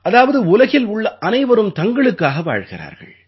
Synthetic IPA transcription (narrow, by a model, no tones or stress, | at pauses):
ʔɐðaːʋɐðɯʊlɐɣɪlʊɭːɐʔɐnɐɪʋɐɾɯmt̪ɐŋɡɐɭɯkːaːɣɐʋa̰ːɻɣɪra̰ːɾɣɐ̰ɭ